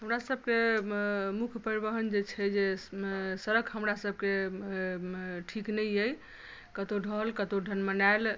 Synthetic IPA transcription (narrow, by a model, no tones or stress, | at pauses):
ɦəmɾasəb̚ke | mukʰjpəɾiβəɦənd͡ʒet͡ʃʰɛd͡ʒe | səɾəkʰɦəmɾasəb̚ʱke | ʈʰiknəjəj | kət̪oɖʱəɦəlkət̪oɖʱənmənael